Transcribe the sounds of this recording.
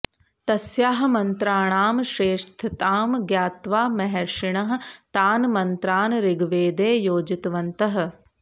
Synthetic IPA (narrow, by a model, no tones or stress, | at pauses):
t̪ɐsjaːɦɐmɐnt̪ɾaːɳaːmʃɾeːʃt̪ʰɐt̪aːmɡjaːt̪ʋaːmɐɦɐɾʂiɳɐɦɐ̆t̪aːnmɐnt̪ɾaːnɾiɡʋeːd̪eːjoːd͡ʒit̪ʋɐnt̪ɐɦ̆